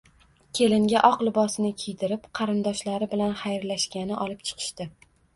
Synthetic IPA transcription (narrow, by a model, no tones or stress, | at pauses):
kʲʰe̞lɪŋɡʲaʔɒqlˠɪbɒsnɪkʲʰijt̪ɪɾɪpqʰɑɾɪnd̪ɒʃlaɾɪbɪlanχajɾlaʃkʲanɪʔɒlɪp̚t͡ʃʰɨ̥qʰɨ̥ʃt̪ɪ